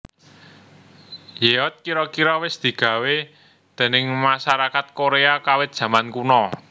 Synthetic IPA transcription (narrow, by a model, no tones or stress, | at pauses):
jeɔt̪̚kiɾɔkiɾɔwɪsd̪̥i̤ɡ̥ä̤we | d̪̥e̤nɪŋmasaɾakat̪̚koɾeakawɪt̪̚d̥ʒ̥ä̤mankunɔ